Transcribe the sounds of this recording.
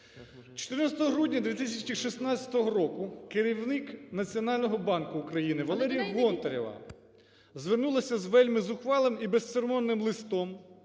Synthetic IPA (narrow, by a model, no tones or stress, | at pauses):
t͡ʃo̥t̪ɪrnɑsʲt̪ɔɦɔɦɾudʲnʲɐd̪ʲʋʲit̪isʲɐt͡ʃiʃisnɑt͡sʲɐ̥t̪ɔɦɔɾɔkʊkeɾʲiwnɪknɐt͡sʲiɔnɑlʲnɔɦɔbɑnkʊːkɾɐjinɪʋɐlˠɛɾʲijɐɦɔnt̪ɐɾʲɔʋɐ̰ | zʋernulˠɐsʲɐzʋɛlʲmɪzʊxʋɑlˠemibest̪seɾmɔnːɪmlˠɪst̪ɔm